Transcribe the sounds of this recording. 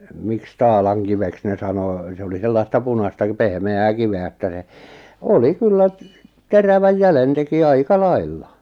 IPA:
miks tɑːlɑŋkiʋeks ne sɑnoˑ se oli selːɑstɑ punɑstɑ k pehmeæː kiʋeæ etːæ se oli kylːæ teræʋæj jælen teki ɑikɑ lɑilːɑ

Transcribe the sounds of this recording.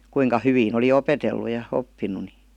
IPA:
kuiŋkɑ hyʋin oli opetelːu jɑ opːinˑu ni

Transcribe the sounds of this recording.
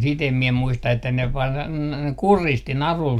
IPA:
sit em mie muistɑ etːæ ne ʋɑr kuristi nɑrul

